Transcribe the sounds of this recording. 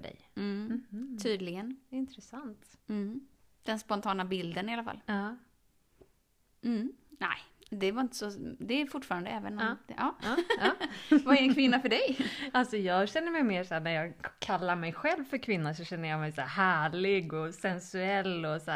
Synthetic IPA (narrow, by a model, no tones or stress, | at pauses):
fœɖɛ̰jm̩t̪ʰyːd̪lɪɡənɪnt̪ɾɛsant̪̩ | d̪̥ɛnspɔnt̪ʰɑːnabɪld̪ənɪalafa̰lːɑː | næ̰ɪd̪ɛvaɾɪnt̪ə̥sɔd̪ɛːɾfʊʈːfɑːɾand̪əɛːvə̰nɔmɑː | vaɛɾɛnkʰvɪnːafœɖɛjalsɔjɑːɡɕɛnːəɾmɛjmeːʂæːɳæɾjɑːɡkʰalːaɾmɛjɧɛlvfœɾkʰvɪnːasɔɕɛnːəjɑmɛjsæ̰ːɦæːɭɪɡɔsɛnsʉɛlːɔs